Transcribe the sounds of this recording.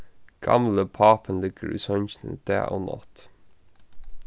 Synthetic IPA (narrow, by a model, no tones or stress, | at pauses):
ɡ̥ɑ̰mləpʰɑːpʰənlɪɡ̥əɹʔiːsɔnçnə̰d̪̥æ̰ːʔoːnɔ̰t̪